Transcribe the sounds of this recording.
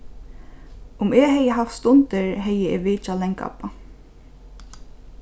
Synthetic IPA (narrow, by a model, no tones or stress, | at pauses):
ʊmɛɦɛjəɦaft̪st̪ʊnt̪ɪɹɦɛjːəɛʋɪːt͡ʃalɛŋka̰pa